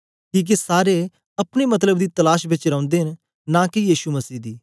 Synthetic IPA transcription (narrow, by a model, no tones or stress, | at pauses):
kiːk̬isaːɾe | ɐpnemɐt̪ləbd̪it̪ɐlaːʃbɪt͡ʃɾɐʊ̃nd̪eɦɪn | nãkijiːʃuməsiːd̪iː